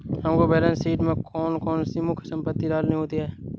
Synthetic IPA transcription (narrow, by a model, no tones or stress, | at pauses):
ɦɐmkobɛːlə̃nsiːʈmẽkʰɔːnkɔːnsiːmukʰsə̃mpət̪ːidaːlnɐɦĩɦoːt̪iɦɛː